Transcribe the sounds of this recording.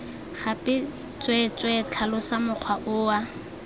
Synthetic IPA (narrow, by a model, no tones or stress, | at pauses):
χapʼɪ | t͡sʼwɛt͡sʼwɛt͡ɬʰalʊsamʊq͡χʰwaʔʊːa